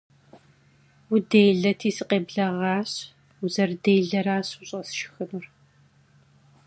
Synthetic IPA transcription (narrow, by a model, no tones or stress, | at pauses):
wʊdejɮɐtʰiːsɨqeːbɮɐʁɑːɕ | uzɐrdeːjɮɐɾaːɕʊɕʼɐsʃɪ̥xɨnur